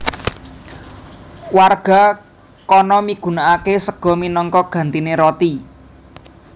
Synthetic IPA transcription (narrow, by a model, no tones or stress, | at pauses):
warɡ̥a̤ | kɔnɔmiɡ̥ṳnaʔakesəɡ̥ɔ̤minɔŋkɔɡ̥a̤nt̪ineɾɔt̪i